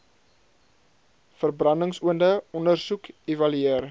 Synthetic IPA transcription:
fərbrɐndəŋsuəndəɔndərsukevɐlyeər

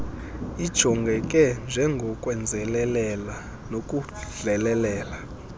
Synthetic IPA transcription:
id̥ʒ̥ʱɔŋɡʱɛk̬ʼɛnd͡ʒʱɛŋɡʱɔkʼwɛnd͡zʱɛlɛlɛla | nokʼu | ɮɛlɛlɛːla

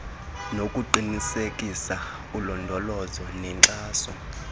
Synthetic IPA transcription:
nokʼuǃinisekʼisa | ulɔndʱɔlɔzɔnɛŋǁaːsɔ̰

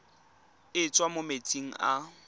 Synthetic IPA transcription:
ɪt͡sʼwamomet͡sʼiŋ̩ʔa

